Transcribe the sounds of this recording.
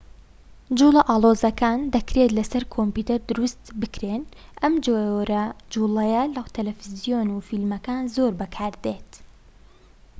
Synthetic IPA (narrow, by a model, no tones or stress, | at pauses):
d͡ʒuːlˠɐʔaːlˠoːzɐkʰaːnd̪ɐkɾet̪lɐsɐɾkʰomput̪ɐɾd̪ʊɾust̪bɨkɾeːnʔɐmd͡ʒoɾɐd͡ʒulɐjɐlɐt̪ʰɐlɛfizijonufilmɐkaːnzoɾbɐkʰaːɾd̪eːt̪